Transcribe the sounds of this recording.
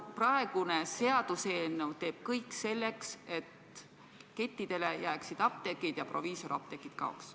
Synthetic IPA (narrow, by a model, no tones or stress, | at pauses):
prɑe̞ɡ̥une̞se̞ɑd̪̥useːnːewt̪e̞ːb̥̚kɤjkˑse̞lːe̞kse̞t̪ | ke̞t̪ːid̪̥e̞le̞jæːksid̪̥ɑp̚t̪e̞kːˑid̪̥jɑpro̞̰viːso̞ɾɑ̰p̚t̪e̞kːˑit̪̚kɑ̰o̰ks